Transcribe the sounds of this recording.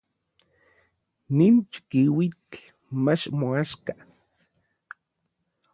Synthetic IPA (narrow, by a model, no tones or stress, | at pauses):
nint͡ʃkiwit͡ɬ | mat͡ʃmoaʃka